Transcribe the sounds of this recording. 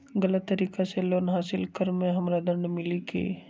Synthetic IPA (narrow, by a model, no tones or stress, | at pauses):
ɡələt̪ːəɾiːkaseloːnɦaːsɪlkəɾmẽɦɐmɾad̪ə̃ɳɖmɪlikḛː